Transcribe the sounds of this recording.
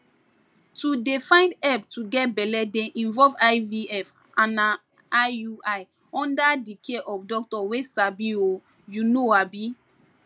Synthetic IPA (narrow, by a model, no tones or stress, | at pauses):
tudefãɪ̃ndɛptuɡɛt̚bɛlɛdɛ̃ʔĩnvɔlvajviɛf | ãna | uaj | ɔ̃ndadikʰeʔɔfdɔk̚tɔwesabio | junoabi